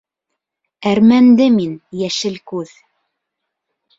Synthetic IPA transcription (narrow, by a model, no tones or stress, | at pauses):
æɾmænd̪ɘminjæʃɘlkʉð